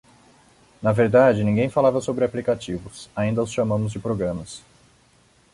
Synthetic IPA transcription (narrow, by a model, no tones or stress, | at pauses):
nɐveɾd̪ad͡ʒɪnĩɡẽj̃falavɐsobɾɪaplikat͡ʃivʊsaĩnd̪ɐʊsʃamɐ̃mʊzd͡ʒɪpɾoɡɾɐ̃mɐs